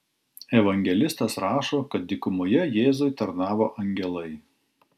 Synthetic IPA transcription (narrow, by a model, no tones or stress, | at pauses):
ɛʋɐŋʲɡʲɛlʲɪst̪ɐsɾɑːʃoːkɐt̪̚d̪ʲɪkʊmʊjɛjeːzʊɪt̪ɐɾnɑːʋoːʔɐŋʲɡʲɛlˠɐɪ